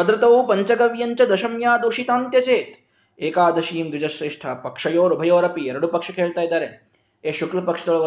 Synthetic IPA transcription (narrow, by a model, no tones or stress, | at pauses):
ɐd̪ɾɐt̪ɐwpɐɲt͡ɕɐɡɐʋjɐɲt͡ɕɐd̪ɐʃɐmjaːd̪uːʃit̪aːnt̪jɐt͡seːt̪ | eːkaːd̪ɐʃiːmd̪ud͡ʑɐɕɾeːʂʈʰɐpɐkʂɐjoːɾubʱɐjoːɾɐpieɾɽupɐkʂɐkʰeːɭt̪ajd̪aɾeːn | eɕuklɐpɐkʂt̪uɭʋɐ